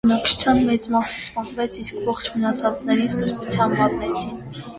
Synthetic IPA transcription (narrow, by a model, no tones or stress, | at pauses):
ənɑk̚t͡ʃʰu̥t͡sʰjɑnmɛt͡smɑsispɑnvɛt͡sʰiskvɔχt͡ʃʰmənɑt͡sʰɑt͡snɛɾist̪əzmut͡sʰjɑnɑt̪nɛt͡sʰin